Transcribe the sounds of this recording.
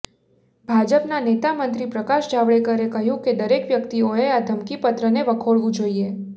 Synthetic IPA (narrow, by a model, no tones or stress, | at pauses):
bʱad͡ʒəpnanet̪amənt̪ɾipɾəkaʃd͡ʒaʋɭekəɾekəɦjũked̪əɾekʋjəkt̪ioead̪ʱəmkipət̪ɾəneʋəkʰoɭʋũd͡ʒoie